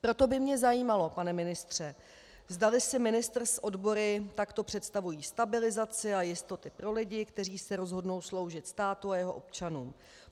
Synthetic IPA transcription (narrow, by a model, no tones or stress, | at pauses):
pɾo̞t̪o̞bɪmɲɛzajiːmalo̞panɛmɪnɪst̪r̝̥ɛ | vzdalɪsɪmɪnɪst̪r̩sʔo̞dbo̞ɾɪt̪akt̪o̞pr̝̥ɛt̪st̪avujiːst̪abɪlɪzat͡sɪajɪst̪o̞t̪ɪpɾo̞lɪɟɪkt̪ɛr̝iːsɛɾo̞zɦo̞dno̞wslo̞wʒɪt̪st̪aːt̪uajɛɦo̞̰ʔo̞p̚t͡ʃanuːm